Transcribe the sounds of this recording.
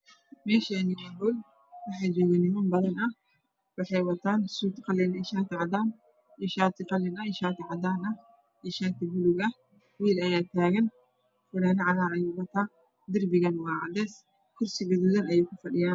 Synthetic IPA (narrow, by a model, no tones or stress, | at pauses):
mɛːʃɐnimɐbɔl | wɑħɑjd͡ʒɔːɣɐnɪmɐnbɐðɐnɐh | wɑħɑjwɐt̪ʰaːnsuːt̪qɐlɪnɪʃaːt̪ʰɪʕɑd̪aːn | jiʃaːt̪ʰɪqɐlɪnɐɪʃaːt̪ʰɪʕɑd̪aːnɐ | iʃaːt̪ʰɪbʊlʊɡɐ | wiːlɐjaːt̪ʰaːɣɐn | fʊɽanɐʕɑlaːɾɐjɛːwɐt̪ʰaː | d̪ɪrbɪɣɐnwɑːʕ̰d̪ɛːs | kʰʊrsɪɡʊðuðɐnɐjɛːkʰʊfɐɗɪjaːn